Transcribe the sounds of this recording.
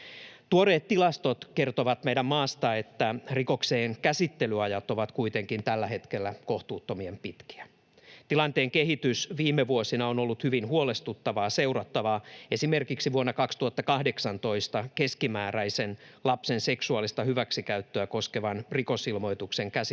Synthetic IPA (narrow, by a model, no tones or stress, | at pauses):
t̪uoɾeːt̪t̪ːilɑst̪o̞t̪ke̞rt̪oʋɑt̪mejdæmmɑːst̪ɑet̪ːæriko̞kse̞ːŋkæsit̪ːe̞lyɑjɑt̪o̞ʋɑt̪kuit̪eŋkint̪ælːæhe̞t̪kelːæko̞ht̪uːt̪ːo̞miempit̪ki̥æ | t̪ilɑnt̪e̞ːŋkeɦit̪ysʋiːmːeʋuosinɑonolːut̪hyʋinhuole̞st̪ut̪ːɑʋɑːse̞uɾɑt̪ːɑʋɑːesime̞rkiksiʋuonːɑkɑkst̪uɑt̪ːɑkɑhde̞ksɑnt̪o̞ist̪ɑke̞skimæːɾæjsenlɑpse̞nse̞ksuɑlːist̪ɑhyʋæksikæyt̪ːøæko̞skeʋɑnriko̞silmo̞jt̪ukse̞ŋkæs